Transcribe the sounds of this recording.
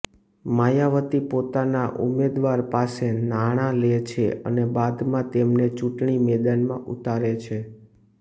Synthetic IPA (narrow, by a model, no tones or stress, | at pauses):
majaʋət̪ipot̪anaʔṵmed̪ʋaɾpasenaɽ̃ãlet͡ʃʰeə̰nebad̪mãt̪emnet͡ʃũʈɳimed̪anmãʔut̪aɾet͡ʃʰe